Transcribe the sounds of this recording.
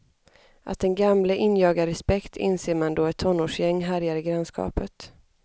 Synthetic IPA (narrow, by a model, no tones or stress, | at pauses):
ʔa̰t̪̚d̪ɛnɡamləʔɪnjɑːɡaɾɛspɛkt̪ʰɪ̰nseːɾmand̪oːɛt̪ʰːɔnːoːʂjɛŋːɦæɾjaɾɪɡɾanskɑ̰ːpət̪